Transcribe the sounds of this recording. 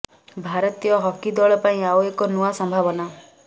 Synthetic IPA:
bʱaɾɔt̪ijɔɦɔkid̪ɔɭɔpaĩawekɔnuwasɔmbʱabɔna

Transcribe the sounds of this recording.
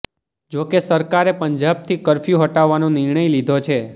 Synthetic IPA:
d͡ʒokesəɾkaɾepəɲd͡ʒab̚t̪ʰikəɾfjũɦəʈaʋːanõnɪɾɳəjlid̪ʱot͡ʃʰe

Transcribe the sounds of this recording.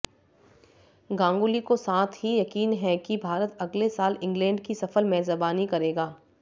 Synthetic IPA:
ɡãːŋɡulikosaːt̪ʰɦijɐkiːnɦɛkibʱaːɾət̪ɐɡlesaːlɪ̃ŋɡlɛ̃ːɳɖkisɐfəlmɛːzəbaːnikɐɾeːɡaː

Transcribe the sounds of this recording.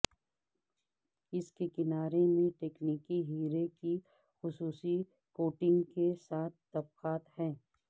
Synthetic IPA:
ɪskekɪnaːɾemẽʈeːkniːkiɦiːɾeki | xʊsuːsi | koːʈɪ̃ŋɡkesaːt̪̚ʰt̪ɐb̚qaːt̪hɛ̃ː

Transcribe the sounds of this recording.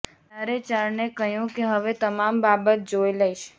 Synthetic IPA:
aɾet͡ʃaɾnekəɦjũkeɦəʋet̪əmambabət̪̚d͡ʒojləjʃ

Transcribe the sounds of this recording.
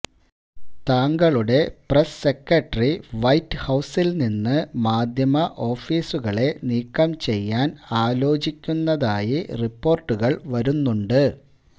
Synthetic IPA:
t̪aːŋɡɐɭuɽe̞presːe̞kːɐʈːɐriʋɐjtːɨhɐwsilninːɨmaːd̪ʱjɐmɐʔo̞ːfiːsuɣɐɭe̞niːkːɐmt͡ɕe̞jːaːnaːlo̞ːt͡ɕikʲːunːɐðaːjiripːo̞ːrʈːuɣɐɭʋɐɾunːuɳɖɨ

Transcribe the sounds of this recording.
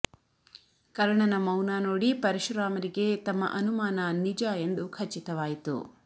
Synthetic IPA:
kɐɾɐɳɐnɐmɐwnaːnoːɽipɐɾiʃɾaːmɐɾiɡe̞t̪ɐmːɐ̰ʔɐnumaːnɐnid͡ʒaːe̞nd̪ukʰɐt͡ʃːit̪ɐʋaːjit̪ṵ

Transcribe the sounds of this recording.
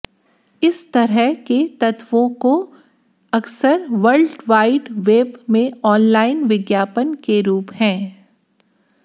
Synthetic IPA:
ɪst̪ɐɾəɦket̪ɐt̪ʋõko | ɐksəɾʋəɾlɖʋaːɪɖʋeːbmẽɔːnlaːɪnʋɪɡjaːpənkeɾuːphɛ̃ː

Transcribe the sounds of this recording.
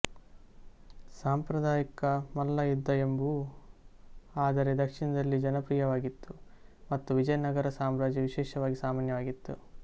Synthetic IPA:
saːmpɾɐd̪aːjikɐmɐlːɐjud̪ːɐembu | aːd̪ɐɾe̞d̪ɐkʂinɐd̪ɐlːid͡ʒɐnɐpɾiːjɐʋaːɡit̪ːu | mɐt̪ːuʋid͡ʒɐjnɐɡɐɾɐsaːmɾaːd͡ʒiʋiʃɛːʃɐʋaːɡisaːmaːnjɐʋaːɡit̪ːu

